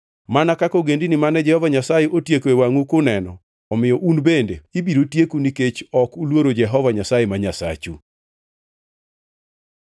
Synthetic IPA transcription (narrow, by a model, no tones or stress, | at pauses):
manakakoɡendinimanɛd͡ʒɛhɔvaɲasajeʔotjekwewaŋukʊnɛnɔ̰ | ɔmɪjɔʔunbendeibiɾotjekuniket͡ʃɔkulwoɾod͡ʒɛɦɔvaɲasajemaɲasa̰t͡ʃu